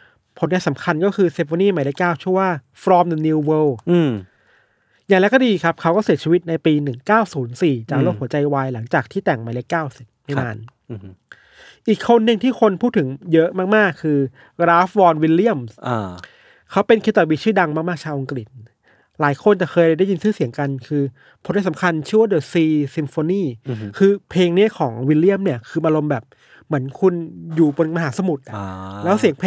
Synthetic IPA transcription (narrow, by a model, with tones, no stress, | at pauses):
pʰo˩˦nŋaː˧nsa˩˦mkʰa˧nkɔː˥˩kʰɯː˧se˧foː˧niː˥˩ma˨˦le˦˥kːaː˥˩wt͡ɕʰɯ˥˩əwaː˥˩ | fɾɔː˧mnɛ˨˩nːi˧wwəː˧w | ja˨˩ŋlɛ˦˥kɔː˥˩diː˧kʰa˦˥p̚kʰa˦˥wkɔː˥˩si˩˦tt͡ɕʰiː˧wi˦˥t̪̚na˧jpiː˧nɯ˨˩ŋkaː˥˩wsuː˩˦nsiː˨˩t͡ɕaː˨˩k̚loː˥˩k̚u˩˦t͡ɕa˧jwaː˧jla˩˦ŋt͡ɕaː˨˩k̚t̪ʰiː˥˩t̪ɛ˨˩ŋma˨˦jle˦˥kːaː˥˩wsi˨˩p̚ma˥˩naː˧n | ʔiː˨˩kʰːo˧nːɯ˧ŋt̪ʰiː˥˩kʰo˧npʰuː˥˩t̪ʰːɯ˨˩˦ŋjɤ˦˥ʔmaː˥˩k̚maː˥˩kʰːɯː˧ | ɡɾaː˦˥fwɔː˧nwi˧li˦˥˩əmsʔ | kʰa˦˥wpe˧nkʰi˦˥t̪ɔ˨˧˩wi˧˩t͡ɕʰɯː˥˩da˧ŋmaː˥k̚maː˥˩k̚t͡ɕʰaː˧wʔa˧ŋkɾi˨˩t̪̚ | laː˩˦jkʰo˧nt͡ɕa˨˩kʰɤː˧ja˥˩da˥˩ji˧nsɯː˥˩si˨˩˦əŋka˧nkʰɯː˧ | pʰo˨˩˦nda˥˩sa˩˦mkʰa˧nt͡ɕʰɯ˥˩wa˥˩dɤː˨˩siː˧si˧mfoː˧niː˥˩kʰɯː˧pʰeː˧ŋni˦˥ɐkʰɔː˩˦ŋwi˧li˥˩əmni˥˩əkʰɯː˧maː˧lo˧mbɛː˨˩p̚ | mɯ˩˦ənkʰu˧njuː˨˩bo˧nma˧ɦaː˩˦sa˧mu˨˩t̪̚ʔa˨˩lɛː˦˥wsi˩˦ŋpʰː